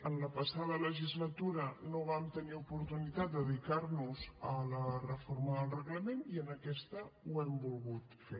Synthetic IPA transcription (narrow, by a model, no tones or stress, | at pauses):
ənləpəsaðələʒizlət̪uɾənoβ̞amt̪əniupuɾt̪unit̪at̪̚d̪əðikaɾnuzələrəfoɾməðəlˠrəɣləmeniənəkɛst̪əwɛmbulˠɣut̪fe